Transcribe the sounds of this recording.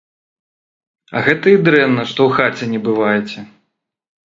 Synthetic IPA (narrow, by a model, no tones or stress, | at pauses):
ɐ̰ɣɛt̪ɐid̪ɾɛnːɐʂt̪ɔwxat͡sʲɛnʲɛbɨvajɛt͡sʲɛ